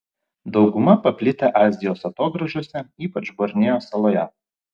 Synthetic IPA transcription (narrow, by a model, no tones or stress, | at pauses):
d̪ɒʊɡʊmɐpɐpʲlʲɪt̪ʲɛʔɑːzʲɪjoːsɐt̪oːɡɾɐʒʲoɔːsʲɛiːpɐt͡ʃboɾʲnʲeːjoːsɐlˠoːjɛ